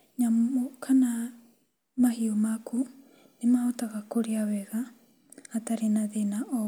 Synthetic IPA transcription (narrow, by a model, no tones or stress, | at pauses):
ɲamkʰana | mahiomakʰu | nemaotaɣakoɾeaβɛɣaː | taɾenaðenaʔɔ